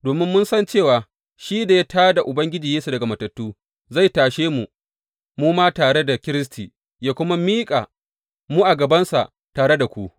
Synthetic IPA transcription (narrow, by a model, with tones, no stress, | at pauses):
doː˨mɪ˦mːʊ˦nsɐ˦nt͡ʃeː˦˨waː˨ | ʃiː˦da˨ja˦tʰaː˦da˨ʔʊ˨bɐ˦ŋɡʲɪ˦d͡ʒiː˨jeː˦su˨dɐ˨ɡa˨mɐ˨tɐ˨tːuː˦ | za˦˨jtaː˨ʃeː˦mu˨ | muː˦maː˦taː˨ɽe˦da˨kʲɪ˦ɾɪ˦s̬tʰiː˨ | jaː˦kʷʊ˦ma˦miː˦kʼa˨ | muː˦ʔa˨ɡɐ˨bɐ˦nsa̰˨ʔ | taː˨ɽe˦da˨kʷu˦ʔ